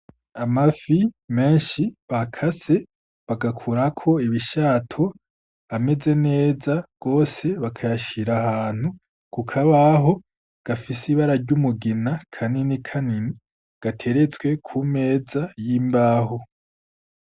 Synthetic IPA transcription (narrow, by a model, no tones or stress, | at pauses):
amafime̞ːnʃiβakʰase̞ | βaɡakʰuɾakʰo̞iβiʃaːtʰo | ame̞ze̞ne̞ːzaɡ̥o̞ːse̞βakʰajaʃiɾahaːn̥hu | kukʰaβaɦo̞ | ɡ̥afisiβaɾaɾɟumuɡinakʰaninikʰanini | ɡ̥atʰe̞ɾe̞t͡sɡwe̞kʰume̞ːzajiːmbaːho